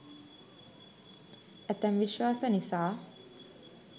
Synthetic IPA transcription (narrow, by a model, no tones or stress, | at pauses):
æt̪ɛmʋiʃʋaːsənisaː